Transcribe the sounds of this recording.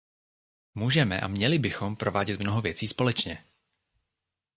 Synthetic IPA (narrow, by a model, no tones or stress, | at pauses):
muːʒɛmɛ̰ʔa̰mɲɛlɪbɪxo̞mpɾo̞vaːɟɛt̪mno̞ɦovjɛt͡siːspo̞lɛt͡ʃɲɛ